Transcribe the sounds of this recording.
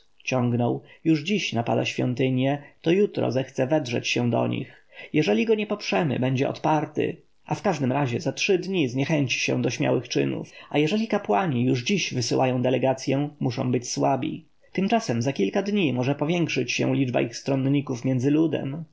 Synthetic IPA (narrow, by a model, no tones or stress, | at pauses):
t͡ɕɔ̃ŋɡnɔwjuʐd͡ʑiɕnapa̰d̪aɕfʲjɔ̰nt̪ɘɲjɛt̪ɔjut̪ɾɔ̰zɛxt̪sɛvɛd̪ʐɛ̰t͡ɕɕɛ̃d̪ɔ̰ɲḭx | jɛʐɛlʲiɡɔɲɛpɔpʂɛmɘ̰bɛɲd͡ʑɛ̰ɔ̰t̪paɾt̪ɪ̰ | ʔafkaʐd̪ɘmɾaʑɛzatʂɘd̪ɲizɲɛxɛɲt͡ɕi̥ɕɛ̰w̃d̪ɔɕmʲja̰wɘxt͡ʂɘ̰nṵfajɛʐɛlʲikapwaɲijuʐd͡ʑiɕvɘsɘwʔajɔ̃w̃d̪ɛlɛɡat̪sʲjɛ̃muʂɔ̰̃w̃bɘt͡ɕswabʲḭ | t̪ɘmt͡ʂasɛmzakʲilkad̪ɲimɔʐɛpɔvʲjɛŋkʂɘt͡ɕɕɛ̰w̃lʲid͡ʐba̰ʔixst̪ɾɔnɲikufmʲjɛnd̪zɘlud̪ɛ̰m